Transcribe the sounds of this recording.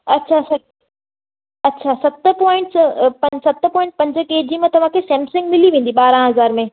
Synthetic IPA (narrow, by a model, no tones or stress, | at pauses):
ɐtːɕʰasɐ | ɐtːɕʰasɐt̪̆pɔːɪ̃ɳʈspɐ̃sɐt̪pɔːɪ̃ɳʈ̚pɐ̃ɲd͡ʑkeːd͡ʑimẽt̪ɐʋ̤ãkʰeːsɛ̃ːmsɪ̃ŋɡmɪliʋẽːn̆d̪iɓaːɾãɦɐzaːɾmẽ